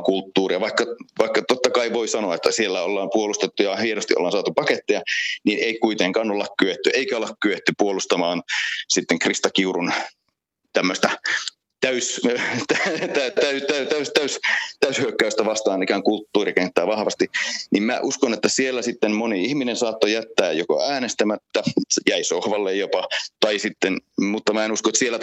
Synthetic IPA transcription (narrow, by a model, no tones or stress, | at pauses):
kult̪ːuːriɑʋɑikːɑʋɑikːɑt̪ot̪ːɑkɑiʋoisɑnoɑet̪ːæsielːæolːɑːmpuolust̪et̪ːujɑhienost̪iʔo̰lːɑːnsɑːt̪upɑket̪ːejɑniːneikuit̪eŋkɑːnolːɑkkyʋet̪ːyʔeikæolːɑkkyʋet̪ːypuolust̪ɑmɑːnsit̪ːeŋkrist̪ɑkiurun | t̪æmːøst̪æ | t̪æyst̪æt̪æt̪æyt̪æyt̪æyst̪æyst̪æyshyøkːæyst̪æʋɑst̪ɑːnikæŋkult̪ːuːriɑkent̪ːæːʋɑhʋɑ̰st̪inimmæ̰ʔuskonet̪ːæsielːæsit̪ːenmoniihminensɑːt̪ːojæt̪ːæːjjoko̰æːnest̪æmæt̪ːæjæisohʋɑlːejjopɑt̪ɑisit̪ːenmut̪ːɑmæenuskoet̪sielːæt